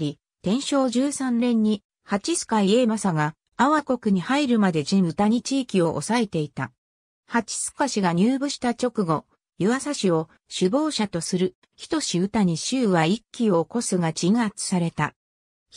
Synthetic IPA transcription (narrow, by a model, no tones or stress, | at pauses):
ɾʲi | t̪ẽ̞ɰ̃ɕo̞ːʑɨːsãnɾẽ̞ɲ̟ːi | hat͡ɕisɨ̥kaie̞ːmasaɡa | aβako̞kɯ̟ɲ̟ihaiɾɯ̟mad̪e̞d͡ʑĩɯ̟t̪aɲ̟it͡ɕiːkʲio̞ʔo̰sae̞t̪e̞it̪a | hat͡ɕi̥sɨ̥kaɕiɡaɲ̟ɨːbɯ̟ɕi̥t̪at͡ɕo̞kɯ̟ɡo̞ | jɯβasaɕio̞ | ɕɨbo̞ːɕat̪o̞sɨɾɯ̟ | çi̥t̪o̞ɕiɯ̟t̪aɲ̟iɕɨːβaikʲːio̞ko̞sɨɡat͡ɕiŋat͡sɨ̥saɾe̞t̪a̰